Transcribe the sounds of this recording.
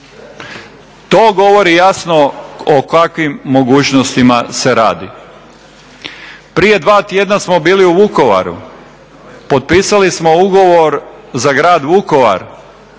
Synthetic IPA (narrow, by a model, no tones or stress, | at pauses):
t̪oːɡo̞ʋo̞ɾijasno̞okakʋimːo̞ɡuːt͡ʃnost̪imase̞ɾaːd̪i | pɾije̞d̪ʋaːt̪je̞d̪nasmo̞biːliuʋuko̞ʋa̰ɾṵ | po̞t̪̚piːsalismouɡo̞ʋoɾ | zaɡɾaːd̪ʋuko̞ʋa̰ɾ